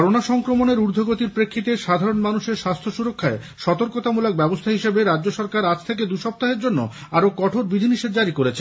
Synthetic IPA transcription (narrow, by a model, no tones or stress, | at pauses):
ɔɾonaʃɔŋkɾomoneɾuɾd̪ʱoɡot̪iɾpɾekʰːit̪eʃad̪ʱaɾonmanuʃeɾʃast̪ʰoʃuɾokʰːae | ʃɔt̪oɾkot̪amulak̚bɛbost̪ʰaɦiʃebeɾadːoʃɔɾkaɾad͡ʑt̪ʰek̬ed̪uʃɔp̚t̪aɦeɾd͡ʑonːo̰aɾokɔʈʰoɾbid̪ʱiniʃed̪d͡ʑaɾikoɾet͡ɕʰe